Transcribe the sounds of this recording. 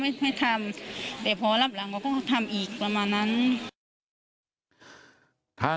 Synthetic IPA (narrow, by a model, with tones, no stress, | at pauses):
ma˥˩ma˥˩˨t̪ʰa˧˥˨mt̪ɛː˧˩pʰɔː˧la˧˩p̚la˨˦ŋkːkɔ˥˩˧t̪ʰa˧˩˨mʔiː˨˩k̚pa˧maː˧˨nːa˧˥˨n | t̪ʰaː˧˥˨